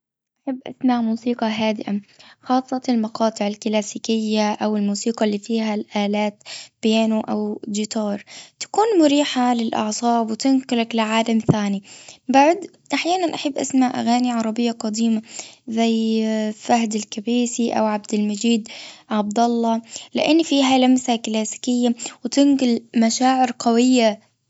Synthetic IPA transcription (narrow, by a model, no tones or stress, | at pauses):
ʔʔaħabːʔa̰smaʕmuːsiːqɑɦaːd̪ɪʔaxɑːsˤːɑɪlmɑqɑːt̪ˤɨʕɪlkɪlaːsiːkɪjːaʔawɪlmuːsiːqɑlːiːfiːɦalʔaːlaːt̪b̥ɪjaːnuʔawd̪ɪt̪ɑːɾˤt̪ḁkuːnmʊɾiːħalɪlʔɑ̰ʕsˤɑːbwɪt̪ɪnkʊlaklɪʕaːlamθaːnibaʕd̪ | ʔaħjaːnanʔaħabːʔa̰smaʔa̰ɣaːniʕɑɾˤɑbɪjːaqɑd̪iːmazajfahd̪ɪlkabiːsiʔa̰wʕab̚d̪ɪlmad͡ʒiːd̪ʕɑb̚d̪ɑlˤːɑlɪ̰ʔɪnːfiːɦalamsaklaːsɪ̥kɪjːawɪt̪ɪnɡʊlmaʃaːʕɪɾqawɪjːa